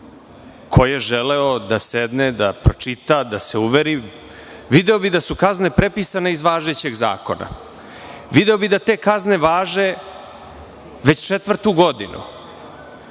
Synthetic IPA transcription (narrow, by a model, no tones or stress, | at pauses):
kʰojeʒeleod̪ased̪ned̪apɾot͡ʂit̪ad̪aseuʋeɾi | ʋid̪eobid̪asukazne̞pɾepisane̞izʋaːʒet͡ɕe̞ɡza̰ːko̞na̰ | ʋid̪eobid̪at̪e̞ːkazne̞ʋaːʒe | ʋe̞t͡ɕt͡ʃet̪ʋr̩t̪uɡo̞d̪inʔṵ